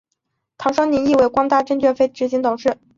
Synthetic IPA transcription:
t̪ʰɑ˧˥ŋʂwɑ˥ŋni˧˥ni˥˧we˥˩ɪkwɑ˥ŋt̪a˥˧ʈ͡ʂɤ˥˧ŋt͡ɕɥɛ˥˩nfe˥˩ɪʈ͡ʂɻ̩˧˥ɕi˧˥ŋt̪ʊ˨˩ŋʂɻ̩˥˩

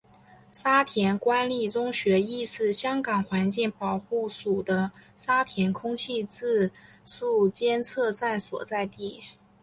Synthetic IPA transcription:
sa˥t̪ʰjɛ˧˥nkwa˥nli˥˩t͡sʊ˥ŋɕɥɛ˧˥i˥˧sɹ̩˥˩ɕjɑ˥ŋkɑ˨˩ŋxwa˧˥nt͡ɕi˥˩ŋpɑ˨˩ʊxu˥˩su˨˩d̪ə˦sa˥t̪ʰjɛ˧˥nkʰʊ˥ŋt͡ɕʰi˥˧t͡sɹ̩˥˧ʂu˥˩t͡ɕjɛ˥nt͡sʰɤ˥˧t͡sa˥˩nswɔ̰˨˩t͡sa˥˧ɪt̪i˥˩

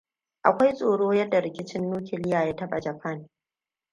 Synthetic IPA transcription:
ʔa˨kʷa˦jsʼoː˨ɽoː˦jɐ˦dːa˨ɽɪ˨kʲɪ˦t͡ʃɪ˦nːuː˦kʲʰɪ˨lɪ˦jaː˨jaː˦tɐ˦ɓa̰˨d͡ʒɐ˨ɸʰa˦n

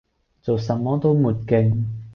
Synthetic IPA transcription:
t͡so˨wsɐ˨mːɔː˦˥t̪o˥wmuː˨˩t̚kɪ˧ŋ

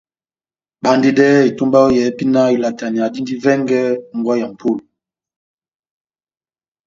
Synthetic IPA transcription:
ɓa˨˦ndi˦dɛ˦i˨tu˦mba˦o˦jɛ˨˦pi˦na˦i˨la˨ta˨ni˨a˨di˦ndi˦vɛ˦ŋɡɛ˦ŋ̩˨ɡwa˦ja˨m̩˨pu˦˨l

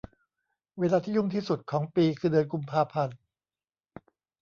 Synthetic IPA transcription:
weː˧laː˧t̪ʰiː˥˩ju˥˩ŋt̪ʰiː˥˩su˨˩t̪̚kʰɔː˩˦ŋpiː˧kʰɯː˧dɯː˧nku˧mpʰaː˧pʰa˧n

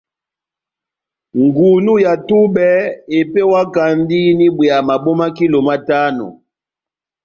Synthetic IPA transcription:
ŋɡu˨nu˦ja˨tu˦bɛ˦e˨pe˦wa˦ka˨ndi˦ni˦bwi˨a˨ma˨bɔ˦ma˦ki˦lo˨ma˦ta˦nɔ̰˨

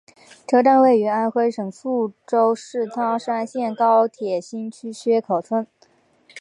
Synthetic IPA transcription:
ʈ͡ʂɤ˧˥ʈ͡ʂa˥˧nwe˥˩ɪy˧˥a˥nxwe˥ɪʂɤ˨˩ŋfu˥˩ʈ͡ʂo˥ʊʂɻ̩˥˩t̪ʰɑ˥ŋʂ̩a˥nɕjɛ˥˩nkɑ˥ʊt̪ʰjɛ˨˩ɕi˥nt͡ɕʰy˥ɕɥɛ˥kʰo˨˩ʊʈ͡ʂʰwə˥n

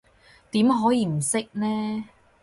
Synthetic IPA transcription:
t̪iː˨˥mɦɔː˨˥jiː˧m̩˨˩sɪ˥k̚nɛː˥

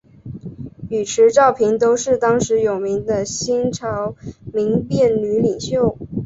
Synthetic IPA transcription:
y˨˩ʈ͡ʂʰɻ̩˧˥ʈ͡ʂɑ˥˩ʊpʰi˧˥ŋt̪o˥ʊʂɻ̩˥˩t̪ɑ˥ŋʂɻ̩˧˥jo˨˩ʊmi˧˥ŋd̪ə˧ɕi˥nʈ͡ʂʰɑ˧˥ʊmi˧˥ŋpjɛ˥˩nly˧˥li˨˩ŋɕjo˥˩ʊ

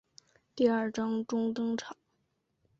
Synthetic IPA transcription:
t̪i˥˩ɐ˞˥˩ʈ͡ʂɑ˥ŋʈ͡ʂʊ˥ŋt̪ɤ˥ŋʈ͡ʂʰɑ˨˩˦

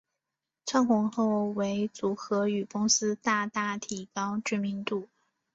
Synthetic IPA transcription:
t͡sʰa˥nxʊ˧˥ŋxo˥˩ʊwe˧˥ɪt͡su˧˥xɤ˧˥y˨˩kʊ˥ŋsɹ̩˥t̪a˥˧t̪a˥˩t̪ʰi˨˩kɑ˥ʊʈ͡ʂ̩˥mi˧˥ŋt̪u˥˩

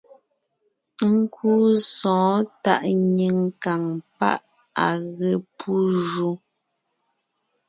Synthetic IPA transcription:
ŋ̩˦kʰuː˦sɔ̃ː˨˦ta̰˦ʔɲi˨ŋka˨ŋpa̰˦ʔ | a˨ɣe˨pʰu˦ʒu˦

